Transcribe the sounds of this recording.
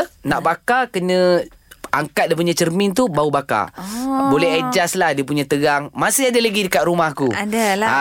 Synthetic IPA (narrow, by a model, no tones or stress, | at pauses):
naʔbakakənə̃ | a̰ŋkat̪̚diəp̬uɲãt͡ʃərmɪ̃nt̪ubaubaka̰bolɛɦɛd͡ʒaslahdiəpuɲãt̪əɡaŋmasɪadalaɡidəkat̪̚rumahkuadalaa